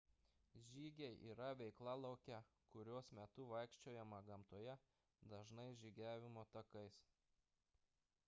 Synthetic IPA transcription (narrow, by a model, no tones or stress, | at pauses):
ʒʲiːɡʲɛɪʔḭːɾɐʋʲɛɪklˠɑlˠɐʊkʲɛ | kʊɾʲoːsmʲɛt̪ʊʋɐɪkʃʲt͡ʃʲoːjɛmɐɡɐmt̪oɔjɛ | d̪ɐʒnɐɪʒʲiɡʲæːʋʲɪmoːt̪ɐkɐɪs